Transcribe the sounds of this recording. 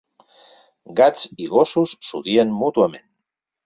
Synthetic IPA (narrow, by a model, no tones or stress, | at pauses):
ɡat͡siɣosusːuðienmut̪uamen